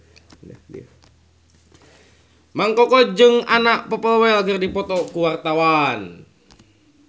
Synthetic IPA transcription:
nə̰dia | maŋkɔkɔd͡ʒɨŋanaʔpɔpəlwɛɛlɡərdipɔt̪ɔkuwart̪awan

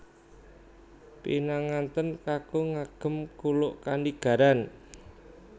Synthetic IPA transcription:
pinaŋant̪ənkaɡ̥oŋaɡ̥ə̤mkulʊʔkaniɡ̥a̤ɾan

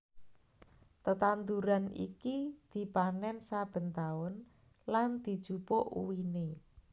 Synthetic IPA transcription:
t̪ət̪and̪uɾanḭkid̪̥i̤panɛnsab̥ə̤nt̪aʊn | land̪̥i̤d̥ʒ̥ṳpoʔṵwine

